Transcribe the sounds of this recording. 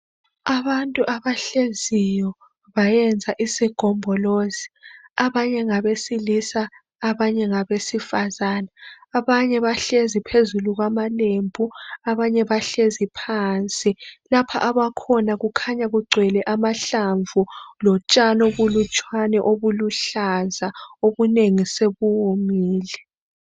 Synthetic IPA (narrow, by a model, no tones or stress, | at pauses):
aβantʼuʔaβaɬezijɔ | βajɛnd͡zʱaʔisiɡ̥ʱɔmbʱɔloziaβaɲɛŋaβesilisaː | βaɲɛŋaβesifazaːnaːβaɲɛβaɬezipʰezuluɣwamalembʱuaβaɲɛβaɬezipʰant͡sʼilapʰa̰ʔaβakʰɔnaɣukʰaɲaɣuɡ͡ǀʱwɛlɛʔamaɬaɱvulɔt͡ʃʼanɔβulut͡ʃʼwanɛʔoβuluɬazaoβuneŋiseβuwumiːlɛ